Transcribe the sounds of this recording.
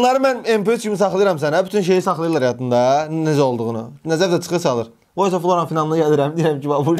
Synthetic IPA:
lˠɑɾɯmænempeescʰimisɑχlˠɯjɯɾɑms̬ænæbyt̪ʰynʃ̬e̞jisɑχlˠɯjɯlˠɑɾæjɑt̪ʰɯnd̪ɑned͡ʒæo̞lˠd̪uʁunɯ̰næzæɾd̪æt͡ʃʰɯ̥xɯsɑlˠɯɾ | boisɑflˠoɾɑnfinɑlˠnɯɟæliɾæmd̪iiɾæmcivɑbu

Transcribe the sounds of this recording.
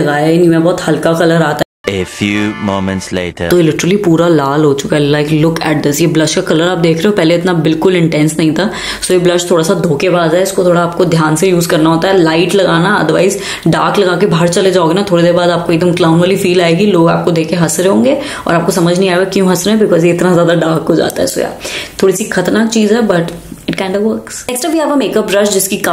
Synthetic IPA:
ɐɡaːɪnimẽbɔːt̪hɐlkakɐləɾaːt̪a | efjuːmoːmə̃nʈslḛɪʈə̰t̪oɪlɪʈəɾəlipuːɾalaːlɦot͡ʃʊkaɦɛlaɪklʊkɛ̰ːʈ̚d̪ɪsjeblɐʃkakɐləɾaːp̚d̪eːkʰɾeːɦopɛɦleɪt̪nabɪlkʊlɪ̃ɳʈɛ̃ːnsnɐɦĩt̪ʰa | sojeblɐʃt̪ʰoːɽasad̪ʱoːkebaːzaɦɛʊskot̪ʰoːɽaːp̚kod̪ʱjaːnsejuːzkɐɾnaɦoːt̪aɦɛlaɪʈlɐɡaːnaɐ̰d̪əʋa̰ːɪz | ɖaːɾklɐɡaːkebʱaːɾt͡ʃɐled͡ʒaːoɡenat̪ʰoːɽed̪eːɾbaːd̪aːp̚koeɡ̚d̪əmklaːʊnʋaːlifiːlaːeːɡiloːɡa̰ːp̚kod̪eːkʰeɦɐsɾɦõːŋɡeː | ɔ̰ːɾaːp̚kosɐməd͡ʒʱnɐɦĩaːeɡakjũːɦɐsɾɦɛ̃bɪkɔːzjeɪt̪nazjaːd̪aɖaːɾkɦod͡ʒa̰ːt̪a̰ɦɛ̰so̰ːja̰ːt̪ʰoːɽisikʰɐt̪əɾnaːk̚t͡ʃiːzɦɛbɐʈɪʈ̚kãɪ̃ɳɖɔʋʋɐɾksɛːksʈɾabʱiaːpɐmeːkɐpɾɐʃd͡ʒɪskik

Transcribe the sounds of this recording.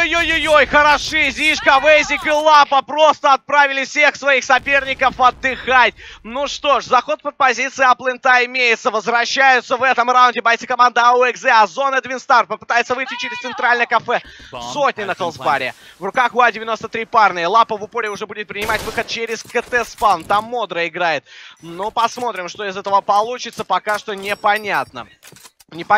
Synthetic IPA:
jojojojxəɾɐʂɨzʲiʂkɐvɛzʲɪkɪlˠapəpɾo̞st̪əɐt̪̚pɾavʲɪlʲɪfsʲe̞xsvɐixsɐpʲe̞rnʲɪkəfɐd̪ːɨxatʲnuʂt̪o̞ʂzɐxo̞t̪̚pət̪̚pɐzʲit̪sɨɪɐplˠɨnt̪aɪmʲejɪt̪səvəzvɾɐɕːæjʊt̪səvɛt̪əmrawʊnʲdʲɪbɐjʲt̪sɨkɐmand̪əʊɛkzɛɐzo̞nəd̪vʲɪnst̪arpəpɨ̥t̪ajɪt̪səvɨjtʲːɪt͡ɕɪɾʲɪst̪sɨnt̪ɾalʲnəjəkɐfɛsotʲnʲɪnəkəlˠzbaɾʲɪ̰ | vrʊkaxʊadʲɪvʲɪno̞st̪ət̪ɾʲiparnɨjəlˠapəvʊpoɾʲɪʊʐɛbudʲɪt̪̚pɾʲɪnʲɪmatʲvɨxət̪̚t͡ɕeɾʲɪskət̪ɛspant̪amːo̞d̪ɾəɪɡɾajɪt̪̚nopɐsmo̞t̪ɾʲɪmʂt̪o̞ɪzɛt̪əvəpɐlˠut͡ɕɪt̪səpɐkaʂt̪onʲɪpɐnʲat̪̚nə̰ | nʲɪpɐ

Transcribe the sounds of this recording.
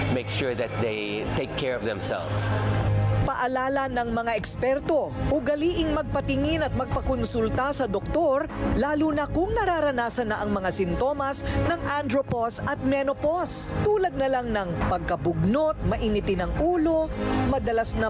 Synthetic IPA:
meɪkʃʊɹðɐt̪̚d̪ej | t̪eɪkʰːɛɹɔvðɛ̰̃msɛ̰lvs | pɐʔɐlaːlɐnɐŋmɐŋaʔɛkspɛɾt̪o̞ʔʊɡɐliːʔɪŋmɐɡ̚pɐt̪ɪŋɪnɐt̪̚mɐɡ̚pɐkonsult̪asɐd̪ok̚t̪o̞ɾlaːluːnɐkʊŋnɐɾaːɾɐnaːsɐnːɐʔɐŋmɐŋasɪnt̪o̞mɐsnɐŋʔand̪ɾoposɐt̪̚mɛnopos | t̪uːlɐd̪̚nɐlaŋnɐŋpɐɡ̚kɐbʊɡ̚not̪̚mɐʔɪnɪt̪ɪnɐŋʔuːlo̞mɐd̪ɐlasnɐ

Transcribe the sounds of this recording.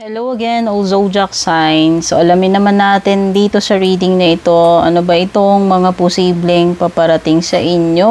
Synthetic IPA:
hɛlowɐɡɛnozowd͡ʒɐk̚sajnsoʔɐlɐmɪnɐmanːaːt̪ɪnd̪iːt̪o̞sɐɹiːd̪ɪŋnɐʔɪt̪o̞ʔɐ̰nobɐʔɪt̪o̞ŋmɐŋapʊsiːblɛŋpɐpɐɾɐt̪ɪŋsɐʔɪɲjo̞

